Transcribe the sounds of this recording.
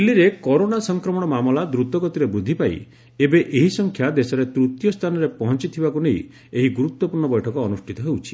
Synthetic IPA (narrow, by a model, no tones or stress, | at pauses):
lːiɾekɔɾonasɔŋkɾɔmɔɽ̃ɔmamɔlad̪ɾut̪ɔɡɔt̪iɾebɾud̪ʱːipaḭ | ebeʔeɦisɔŋkʰjad̪esɔɾet̪ɾut̪jɔst̪ʰanɔɾepɔɦɔnt͡ʃit̪ʰibakuneḭ | eɦiɡuɾut̪wɔpuɾɳɔbɔjʈʰɔkɔːnusʈʰit̪ɔɦewt͡ʃʰi̥